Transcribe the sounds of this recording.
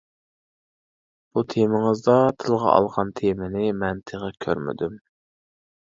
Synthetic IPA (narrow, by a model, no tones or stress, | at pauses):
b̥ut̪ʰemɪŋɨzd̪ɑt̪ʰɨlˠʁɑ̰ɑ̰lˠʁɑnt̪ʰemɪnɪmɛnt̪ʰeʁɑkʲʰø̰ɾmɪ̰d̪ym